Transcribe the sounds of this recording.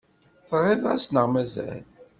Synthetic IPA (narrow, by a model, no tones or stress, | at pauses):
θʁːiðasnəʁmæzæ̰l